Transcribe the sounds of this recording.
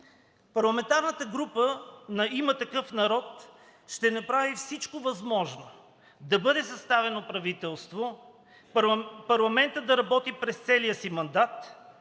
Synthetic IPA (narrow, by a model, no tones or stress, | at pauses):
pɐɾlˠɐmɛnt̪aɾnət̪əɡɾupənɐimət̪ɐkɤfnɐɾɔt̪ | ʃt̪ɛnɐpɾavifsit͡ʃkovɐzmɔʒno | d̪ɐbɤd̪ɛsɐst̪avɛnopɾɐvit̪ɛlˠst̪vo | pɐɾlˠɐmɛnt̪əd̪ɐɾɐbɔt̪ipɾɛst̪sɛliəsimɐnd̪at̪